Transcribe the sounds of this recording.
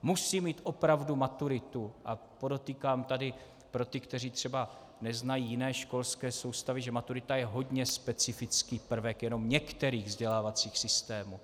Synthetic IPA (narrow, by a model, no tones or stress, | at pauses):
musiːmiːt̪ʔo̞pɾavdumat̪uɾɪt̪uʔapo̞do̞t̪iːkaːmt̪adɪ | pɾo̞t̪ɪkt̪ɛriːt̪r̝̥ɛba | nɛznajiːjɪnɛːʃko̞lskɛːso̞wst̪avɪʒɛmat̪uɾɪt̪ajɛɦo̞dɲɛspɛt͡sɪfɪt͡skiːpr̩vɛkjɛno̞mɲɛkt̪ɛɾiːɣvzɟɛlaːvat͡siːxsɪst̪ɛːmuː